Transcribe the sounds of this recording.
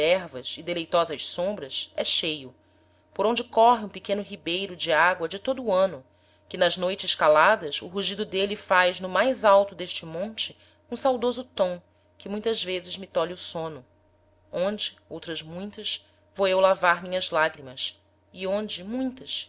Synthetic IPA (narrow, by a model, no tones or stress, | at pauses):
ɛɾvɐzɪd̪elejt̪ɔzɐʃsõmbɾɐsɛʃejʊ | poɾõnd͡ʒɪkɔɦɪũpɪkẽnʊɦibejɾʊd͡ʒɪaɡwɐd͡ʒɪt̪od̪ʊːɐ̃nʊ | kɪnɐʒnojt͡ʃɪʃkalad̪ɐsʊ̰ɦuʒid̪ʊd̪elɪfajznʊmajzawt̪ʊd̪eʃt͡ʃɪmõnt͡ʃɪ | ũsawd̪ozʊt̪õw̃ | kɪmũj̃t̪ɐzvezɪzmɪt̪ɔlʊsõnʊ | õnd͡ʒɪowt̪ɾɐzmũj̃t̪ɐʃ | vowewlavaɾmĩɲɐzlaɡɾimɐs | ɪõnd͡ʒɪmũj̃t̪ɐʃ